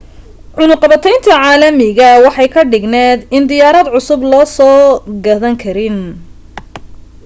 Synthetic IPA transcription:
ʕʊnʊqɑβɐt̪ʰɛjnt̪ʰɐʕɑːlɐmɪɣɐwɑħɑjkʰɐɖɪɡnɛːd̪ɪnd̪ɪjaːɾɐd̪ʕʊsʊblɔːsɔːɡɐðɐŋkʰɐɾɪn

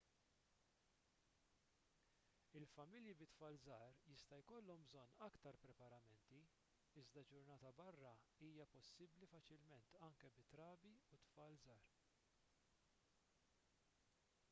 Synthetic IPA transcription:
ɪlfɐmɪljibɪt̪fɐːlzɐːɾjɪst̪ɐjkɔlːɔmbzɔnːɐkt̪ɐɾpɾɛpɐɾɐmɛnt̪i | ɪzd̪ɐd͡ʒʊɾnɐːt̪ɐbɐrːɐiːjɐpɔsːɪblifɐt͡ʃɪlmɛnt̪ɐŋkɛbɪt̪ɾɐːbiut̪fɐːlzɐːɾ

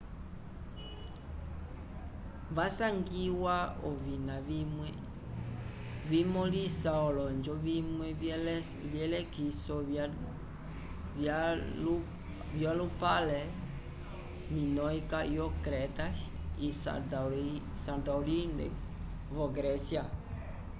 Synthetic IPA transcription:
vasaŋɡiwaɔvinamɛ | vimɔlisaɔlɔnd͡ʒɔvimwɛ | ljɛlɛkisɔ | vjalupalɛ | minɔikajɔkɾɛt̪aisa̰ | sandaulindɛ̰ | vɔɡɾɛsja

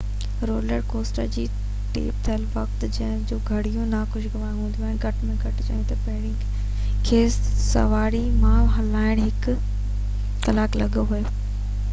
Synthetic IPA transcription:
ɾoːləɾkoːsʈə̰ɾd͡ʑiː | ʈḛːp̚t̪ʰɐlʋɐk̚t̪d͡ʑɐ̃ɦɪ̃d͡ʑoːɡʱɐɽijũnakʊʃɡɐʋaːjũɦũnd̪ʱiuaːɦɪ̃nɡʱɐʈmẽɡʱɐʈt͡ɕa̰ːjũt̪ɐpɐɦɪɽɪ | kʰeːsɐ̰ʋaːɽimaːʋɦɐlaːɪɽ̃ɦɪk | kɐlaːklɐɠɦueː

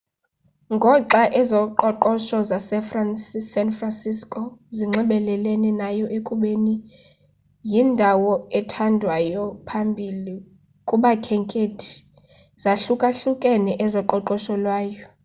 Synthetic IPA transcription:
ŋɡʱɔǁaʔɛzɔǃɔǃɔʃɔzasɛfransisɛnfransiskʼoziŋ͡ǁʱɛɓɛlɛlɛnɛnajɔʔekʼuɓeni | jindʱawɔɛtʰandʱwajɔpʰambʱili | kʼuɓakʰɛŋkʼetʰi̥ | z̥aɬukʼaɬukʼɛnɛʔɛzɔǃɔǃɔʃɔlwaːjɔ

